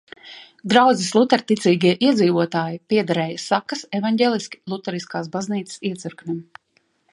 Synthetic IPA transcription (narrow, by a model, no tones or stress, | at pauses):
d̪ɾawd̪zislˠut̪ɛɾt̪it̪siːɡiɛʔiɛd̪ziːvuɔt̪aːjipiɛd̪aɾɛːjasakɐsevanɟʲeːlˠiski̥lˠut̪ɛɾiskaːs̬bazniːt̪sə̥siɛt̪siɾknʲim